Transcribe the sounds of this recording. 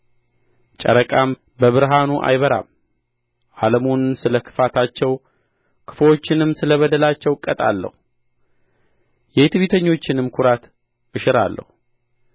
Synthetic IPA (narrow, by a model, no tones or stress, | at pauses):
t͡ʃʼə̰ɾəkʼam | bəβɨɾɦanuʔa̰jβəɾa̰m | ʔaləmonsɨləkʰɨ̥fat̪ʰat͡ʃːɛw | kʰɨ̥flo̞t͡ʃːɪnɨmsɨləβəd̪əlat͡ʃːɛwkʼət̪ʼa̰lːə̰hu | jɛet̪βit̪ʰəɲːo̞t͡ʃːɪnɨmkʰʊɾat̪ | ʔɨʃɨɾa̰lːə̰hu